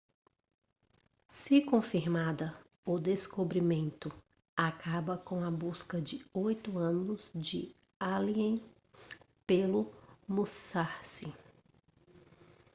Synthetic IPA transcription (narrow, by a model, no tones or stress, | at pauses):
sɪkõfiɾmad̪ɐ | ʊd̪eskobɾimẽnt̪ʊ | akabɐkõɐbuskɐd͡ʒɪojt̪ʊɐ̃nʊzd͡ʒɪ | aliẽj̃ | pelʊmusaɾsɪ